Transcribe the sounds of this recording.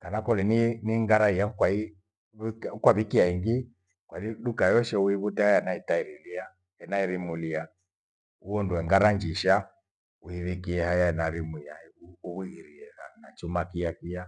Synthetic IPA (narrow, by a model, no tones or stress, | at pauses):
kanakɔlininiŋɡaɾaijaukwai | kwaβikiaiŋɡi | kwaniɗukajɔʃɛuiβutɛhajanaitaiɾilia | ɛnaiɾimulia | uɔnduɛŋɡaɾaɲd͡ʒiʃa | uiβikiɛhajaɛnaɾimujaiuuβwiɣiɾiɛa̰nat͡ʃumakiakija